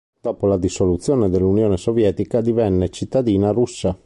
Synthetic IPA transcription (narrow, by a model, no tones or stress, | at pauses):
d̪̥ɔːpolad̪isolut̪sːjoːned̪elːunjoːnesovjɛːt̪ikad̪ivɛnːet͡ʃit̪ːad̪iːnaɾusːa